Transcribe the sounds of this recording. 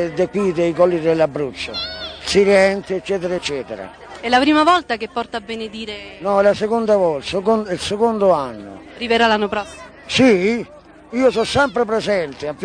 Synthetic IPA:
d̪ekːwid̪eikɔlːid̪elːabːɾut͡ʃːo̰siɾɛnt̪eɛt͡ʃːɛːt̪ɛɾaɛt͡ʃːɛːt̪eɾa̰ | ɛlːapɾiːmavɔlt̪akepːɔrt̪aːbːened̪iːɾenɔɛlasɛkond̪avɔsekonilsekond̪ʊanːʊ̰riveɾalanːopɾɔsːi | si | iːosɔsːɛmpɾepɾɛzɛnt̪eap

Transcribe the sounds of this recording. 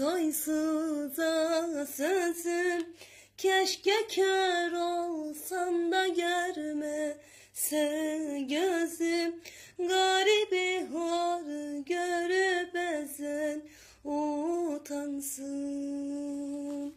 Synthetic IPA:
ojsɯzasɛsɯ | cʰɛʃcɛcʰøɾolˠsand̪aɟøɾmɛ | sɛɟøzi | ɡɑɾibiɦoɾɯɟøɾybɛzɛn | ot̪ʰansɯ

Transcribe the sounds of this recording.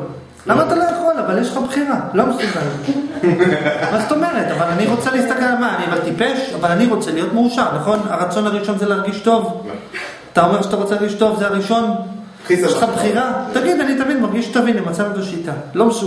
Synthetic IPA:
lamaːt̪alo̞jeχo̞lavaljeʃ̬lχabχiʁalomesubalt | mazot̪o̞me̞ʁe̞t̪avalaniʁo̞t͡selist̪akelmaːniavalt̪ipe̞ʃavalaniʁo̞t͡selijo̞t̪meuʃaʁnaχo̞na̰ʁat͡so̞naʁiʃo̞nzelaʁɡiʃt̪o̞v | at̪ao̞meʁʃat̪aʁo̞t͡selaʁɡiʃto̞vzeaʁiʃo̞n | jelχabχiʁat̪aɡid̪anit̪avinmaʁɡiʃt̪avinimat͡sanut̪aʃit̪alo̞msu

